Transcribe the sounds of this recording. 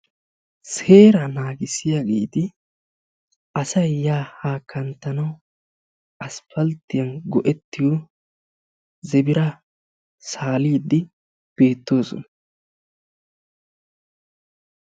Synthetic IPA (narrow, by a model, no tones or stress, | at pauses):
se̞ːɾɐnaːɡɪsɪjaɡḛːt̪ɪ | ʔɐsɐjːaːhaːkʰːɐnt̪ːɐnɐw | ɐsfɐlt̪ːɪjɐnɡɔʔɛt̪ːɪju | zɛbɪɾɐ | saːliːd̪ːɪ | b̥e̞ːt̪ːo̞ːsɔ̰nɐ